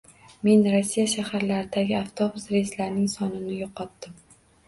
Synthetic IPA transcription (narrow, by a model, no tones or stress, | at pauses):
me̞nɾosːijaʃahaɾlaɾɪd̪aɡʲɪaft̪ʰobʊsɾejɪst̪laɾnɪŋsɒnɪnɪjoqʰːɒt̪ːɪm